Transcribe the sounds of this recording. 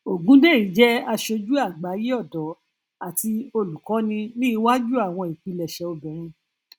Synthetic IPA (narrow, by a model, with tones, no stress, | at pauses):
o˨ɡũ˨˦de˦˨ɾi˨˦d͡ʒɛ˦a˧ʃo˧d͡ʒu˦a˦˨ɡ͡ba˨˦ji˦ɔ˦˨dɔ˨˦ | a˨ti˧o˧lu˨kɔ̃˨˦nĩ˧nĩ˦i˧wa˦d͡ʒu˦a˦˨w̃ɔ̃˧i˨k͡pi˨˧lɛ˨ʃɛ˨˦o˧bɛ̃˨ɾ̃ĩ˧